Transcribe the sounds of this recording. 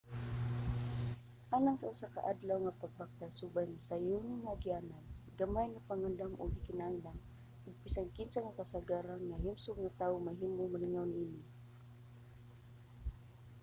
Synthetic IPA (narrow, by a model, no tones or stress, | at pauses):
ʔalaŋsaʊsaka̰ʔad̪lawŋapaɡ̚pak̚t̪asʊbajŋasajʊnamaaɡiananɡamajŋapaŋand̪amʔʊ̰ɡikɪnaaŋdam | ʊɡ̚pisankɪnsaŋakasaɡaɾanŋaɦimsʊɡ̚ŋat̪aʊmaɦimʊŋmalɪŋawnʔinɪ